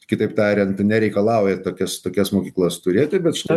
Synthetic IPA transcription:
kʲɪt̪ɐɪpt̪ɑːɾʲɪnt̪nʲɛɾʲɛɪkɐlˠɐˑʊjɛt̪oːkʲɛst̪oːkʲɛsmoːkʲiːklˠost̪ʊɾʲeːt̪ʲɪbʲɛt̪ʃʲɪt̪ɐɪ

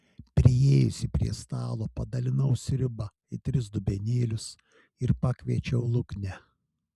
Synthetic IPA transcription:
pʲɾʲɪjeːjʊsʲɪpʲɾʲḭɛst̪ɑːlˠoːpɐd̪ɐlʲɪnɐʊsʲɾʲɪbɐ | ɪt̪ʲɾʲɪsd̪ʊbʲɛnʲeːlʲʊs | ɪɾpɑːkʲʋʲiɛt͡ʃʲɛʊlˠʊknʲɛ

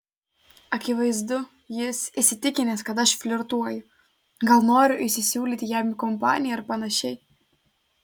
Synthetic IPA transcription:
ɐkʲɪʋɐɪzd̪ʊ | jɪsɪsʲɪt̪ʲɪkʲɪnʲeskɐt̪̬ɐʃfʲlʲoɾt̪uɔjʊ | ɡɐlˠnoːɾʲʊʔɪsʲɪsʲuːlʲiːt̪ʲɪjæːmʲɪkɔmpɑ̰ːnʲɪjɛɐɾpɐnɐʃʲɛj

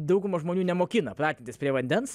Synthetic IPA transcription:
d̪ɐʊɡʊmɐʒmoːnʲuːnʲɛmoːkʲɪnɐpɾɑːt̪ʲet̪ʲɪsʲpʲɾʲiɛʋɐnʲd̪ʲɛns

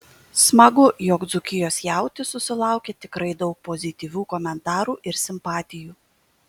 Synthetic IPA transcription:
smɐɡʊjɔkd̪zʊkʲɪjoːsjæˑʊt̪ʲɪsʊsʲɪlˠɑˑʊkʲeːt̪ʲɪkɾɐɪd̪ɒʊk̚pozʲɪt̪ʲiːʋʲuːkɔmʲɛnt̪ɑːɾuːʔɪɾsʲɪmpɑːt̪ʲɪjuː

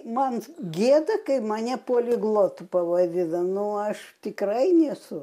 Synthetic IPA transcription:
mɐnɡʲiɛd̪ɐkɐɪmɐnʲɛpoːlʲɪɡlˠoːt̪ʊpɐʋɐd̪ʲɪnɐnʊɐʃt̪ʲɪkrɐɪnʲɛsʊ

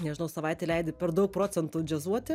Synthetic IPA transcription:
nʲɛʒʲɪnɐʊsɐʋɐɪt̪ʲɛlʲɛɪd̪ʲɪpʲɛɾd̪ɐʊk̚pɾoːt͡s̪ʲɛnt̪uːd͡ʒʲɛzuɔt̪ʲɪ

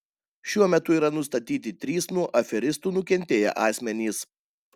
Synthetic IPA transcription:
ʃʲuɔmʲɛt̪ʊiːɾɐnʊst̪ɐt̪ʲiːt̪ʲɪt̪ʲɾʲiːsnuɔʔɐfʲɛɾʲɪst̪uːnʊkʲɛnʲt̪ʲeːjɛ̰ʔɑːsʲmʲɛnʲiːs

